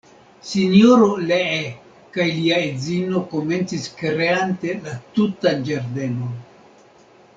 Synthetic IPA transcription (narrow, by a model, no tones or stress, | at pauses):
sinjoɾolee | kajliaed͡zino̞ko̞me̞nt͡siskɾeante̞latutand͡ʒaɾde̞non